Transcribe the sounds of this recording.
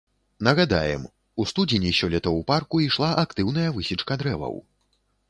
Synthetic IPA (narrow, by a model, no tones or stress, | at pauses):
nɐɣad̪a̰jɛ̰m | ust̪ud͡zʲinʲisʲɔlʲɛt̪ɐwparkuiʂlˠaʔakt̪ɨwn̪ɐjɐvɨsʲit͡ʂkɐd̪ɾɛvɐ̰w